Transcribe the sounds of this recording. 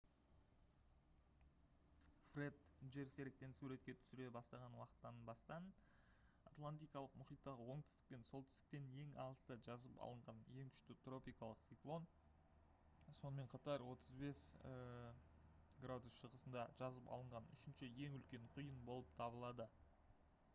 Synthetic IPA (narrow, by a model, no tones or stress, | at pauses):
fred̪ʒe̞ɾse̞ɾek̚t̪e̞nsuɾe̞t̪kʲe̞t̪ʰʏ̥sɪɾe̞bɑst̪ɑʁɑnwɑqə̥t̪ːɑnbɑst̪ɑn | at̪lˠant̪ijkɑlˠəq̚mʊχijt̪ːɑʁəwo̞ɴt̪ɪst̪ɪk̚pe̞nso̞lˠt̪ʰɪ̥st̪ɪk̚t̪ene̞ŋɑ̰lˠəst̪əʒɑzəpɑ̰lˠəɴʁɑnje̞ŋkʲʰʏ̥ʃt̪ɪt̪ro̞pʲijkɑlˠəqt̪sijklˠo̞n | so̞nəme̞ɴqʰɑt̪ɑɾwo̞t̪əzbe̞s | ɡrad̪usʃəʁəsənd̪ɑʒ̥ɑzəpɑ̰lˠəɴʁɑnʏ̰ʃɪnʃɪje̞ŋʏlkʲe̞ɴqʰʊjənbo̞lˠəp̚t̪ʰɑbəlˠɑd̪ə